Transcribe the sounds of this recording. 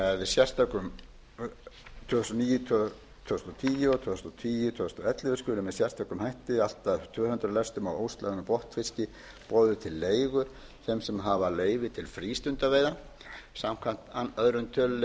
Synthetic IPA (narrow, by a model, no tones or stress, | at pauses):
ɛðsjɛr̥st̪awkʏm | t̪ʰvʏθst̪ɔniːjʏt̪ʰ | t̪ʰːʏθʏst̪ɔt̪ʰiːjʏɔt̪ʰvʏːθʏst̪ɔt̪ʰiːjʏt̪ʰvʏːθst̪ɔɛt̪lɪvskʏːlɪmɛðsjɛɾ̥t̪ʰawkʏmhajht̪ɪal̥t̪aðt̪ʰvœːhʏnt̪ɾʏlɛst̪ʏmawowst̪lavnʏpɔht̪fiscɪ | pɔːðʏt̪ʰɪlːeːjɣʏ | θɛmsɛmɦavaleːjvɪt̪ʰɪlfɾiːst̪ʏnt̪avejða | samkʰvan̥t̪anœðɾʏnt̪ʰœlː